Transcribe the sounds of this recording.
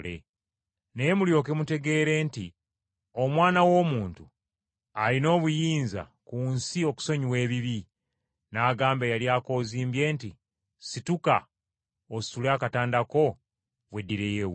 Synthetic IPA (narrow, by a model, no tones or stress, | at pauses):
lḛ | nejemuljo̞ːke̞mute̞ɡe̞ːɾe̞ːnti | o̞mwaːnawo̞ːmuːntu | alino̞ːβujiːnza̰kuːnsio̞ku̥so̞ɲiwe̞ːβiβi | naːɡaːmbejaljaːko̞ːziːmbje̞ːnti | situka̰ | osulaːkataːndako̞ | βwe̞dːiɾe̞jew